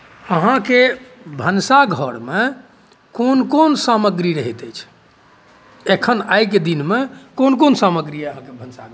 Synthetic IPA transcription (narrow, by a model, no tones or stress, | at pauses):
əɦãkebʱənsaɡʱəɽme | konkonsaməɡɾiɾəɦit̪əjt͡ʃʰ | ekʰənajked̪inmekonkonsaməɡɾieəɦãkebʱənsaɡʱ